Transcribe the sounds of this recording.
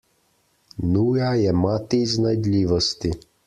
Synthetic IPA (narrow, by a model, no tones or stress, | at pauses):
nujajɛmɑt̪ijznɐjd̪lʲiʋɔst̪i